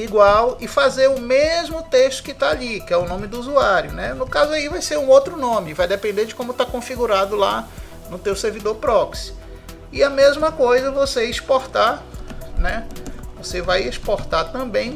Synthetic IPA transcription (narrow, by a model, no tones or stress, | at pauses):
iɡwawɪfazeɾʊmezmʊt̪eʃt̪ʊ̥kɪt̪aaʎikɪɛʊnõmɪd̪ʊuzuaɾjʊnɛnʊkazʊaivajseɾũowt̪ɾʊnõmɪvajd̪ɛpẽnd̪eɾd͡ʒɪkõmʊt̪akõfiɡuɾad̪ʊla̰ | nʊt̪ewseɾvid̪oɾpɾɔks | ɪɐmezmɐkojzɐvoseispoɾt̪a | nɛvosevajeʃpoɾt̪at̪ɐ̃bẽj̃